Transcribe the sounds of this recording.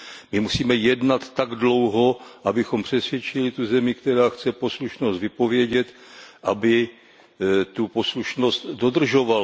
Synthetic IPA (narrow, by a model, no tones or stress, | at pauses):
mɪmusiːmɛjɛdnat̪ːaɡdlo̞wɦo̞ʔabɪxo̞mpr̝̥ɛsvjɛt͡ʃɪlɪt̪uzɛmɪkt̪ɛɾaːxt͡sɛpo̞sluʃnost̪vɪpo̞vjɛɟɛt̪ | ʔabɪ | t̪upo̞sluʃno̞st̪dod̪r̩ʒo̞val